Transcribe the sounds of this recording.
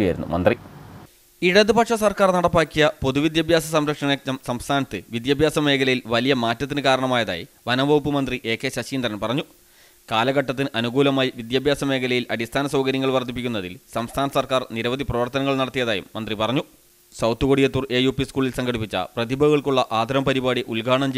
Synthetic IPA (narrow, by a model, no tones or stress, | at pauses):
jajɾunːṵmɐ̰nd̪ri | iɽɐðɨpɐkʂɐsɐrkaːrnɐɽɐpːaːkʲːijɐpo̞ðuʋid̪jaːbʱjaːs̬ɐsɐmɾɐkʂɐneɐsɐmst̪ʰaːnɐt̪ːɨʋid̪jaːbʱjaːsɐmːe̞ːkʰɐlɐjilʋɐlijɐmaːtːɐt̪ːinɨkaːɾɐɳɐmaːjɐða̰ːjḭʋɐnɐbɐʋpːɨmɐnd̪riʔe̞ːkːe̞ːɕɐɕiːnd̪ɐɾɐnpɐrɐɲːu | kaːlɐɣɐʈːɐt̪ːinɨʔɐnuɡuːlɐmaːjiʋid̪jaːbʱjaːsɐme̞ːkʰɐlɐjilɐɽist̪ʰaːnɐsɐwɡɐɾjɐŋːɐɭʋɐrt̪ːip̬ːikʲːunːɐðḭlsɐmst̪ʰaːnɐsɐrkaːrniɾɐʋɐd̪ʱiprɐʋɐrt̪ɐnɐŋːɐɭnɐɽɐt̪ːijɐðaːjṵmːɐnd̪ripɐrɐɲːu | sɐwt̪ukoɽijɐt̪ːure̞ːjuːpiskuːɭilsɐŋɡɐɽipːit͡ɕːɐ̰prɐðibʱɐɣɐɭkuɭːɐʔaːd̪ʱɐɾɐmpɐɾibaːɽiʔulɡaːɳɐmt͡ɕ